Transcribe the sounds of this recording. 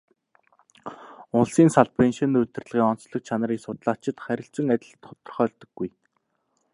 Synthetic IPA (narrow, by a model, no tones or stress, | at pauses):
ʊɮsiːnsaɮpenʃenɵt̪ɘ̆rɮ̆ʁiːŋɔn̥t͡sɮɞ̆k̚t͡ɕʰanə̆ɾiːsʊt̪̆ɮat͡ɕɪ̆t̪χæɾʲɪ̆ɬt͡sɵ̆ŋæt̪ʲɪ̆ɮ̆t̪χʊ̥t̪ɞ̆rχœːɮt̪ə̆ɡːuj